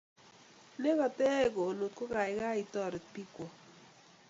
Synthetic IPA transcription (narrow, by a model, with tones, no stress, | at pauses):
ne˦kɔ˨tɛ˦˨ko˨no˨t̚ko˦ka˨ɪ˨˦ka˦i˨tɔ˦˨ɾɪ˨t̚pi˦kɔ˨